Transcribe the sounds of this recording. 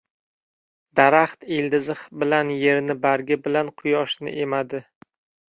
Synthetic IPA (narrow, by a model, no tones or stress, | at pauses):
d̪̥aɾaχt̪eld̪ɪzɨχbɪlanje̞ɾnɪbaɾɡʲɪbɪlanqʰʊjɒʃnɪ̰ʔe̞mad̪ɪ